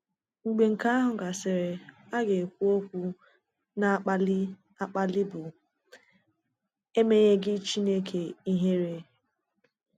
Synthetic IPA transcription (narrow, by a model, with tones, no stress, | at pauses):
ŋ͡m̩˨ɡ͡be˨ŋ̩˨ka˦a˦ɦʊ˨ɡa˨sɪ˨ɾɪ˨a˦ɡe˨kʷu˦o˦kʷu˦ | na˦k͡pa˦l | a˦k͡pa˦lɪ˦bʊ˨ | e˦me˦ɲe˦ɡɪ˦t͡ʃi˦ne˦kʰe˨i˦ɦe˦ɾe˦